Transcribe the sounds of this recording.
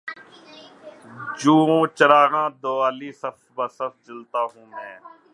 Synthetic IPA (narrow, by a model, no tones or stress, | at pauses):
d͡ʒũːõːt͡ʃəɾaːɣãːd̪oːaːliːsəfʰbaːsəfʰd͡ʒəlt̪aːɦũːmɛ̃ː